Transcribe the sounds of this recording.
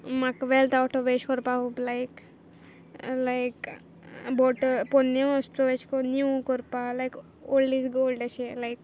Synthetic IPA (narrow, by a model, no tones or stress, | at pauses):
makʋelt̪awʈoʋet͡ʃkɔɾpaɦublajk | lajk | bɔʈəɾpɔnːeəsʈoʋet͡ʃkonjukɔɾpalajk | olɖisɡolɖaʃelajk̚